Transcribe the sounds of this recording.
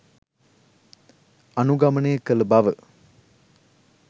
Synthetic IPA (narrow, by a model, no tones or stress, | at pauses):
ɐnuɡɐmənejəkələbɐʋə